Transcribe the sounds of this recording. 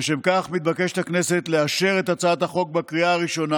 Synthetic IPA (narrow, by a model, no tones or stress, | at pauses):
ʃemkaχmit̪̚bake̞ʃet̪akne̞se̞t̪leaʃe̞ʁe̞t̪at͡saat̪haχo̞k̚bakʁiaːʁiʃo̞na